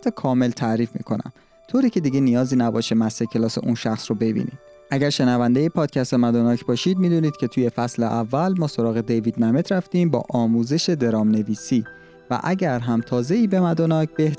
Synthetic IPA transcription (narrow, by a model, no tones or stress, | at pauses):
t̪ʰːɒkʰɒːme̞lt̪ʰæɾiːfmḭːkʰo̞næ̰m | t̪ʰoːɾiːcʰe̞d̪iɟenijɒːziːnæbɒːʃemæsecʲʰe̞lɒːse̞̰ʔunʃæxsrobe̞bḭːnḭːd̪̥ | ʔæɟæɾʃe̞nævænd̪ejepʰɒːd̪̥̚cʰæst̪e̞mæd̪ɒnɒːcʰbɒːʃiːd̪̚miːd̪uːniːd̪̥̚cʰe̞t̪ʰuːje̞fæsleʔævːælmɒːso̞ɾɒːɣe̞d̪evid̪mæme̞t̪ʰɾæft̪iːmbɒ̰ːʔɒːmuːze̞ʃe̞d̪e̞ɾɒːmne̞viːsiː | væ̰ʔæɟæɾɦæmt̪ʰɒːze̞iːbe̞mæd̪ɒnɒːcʰbeh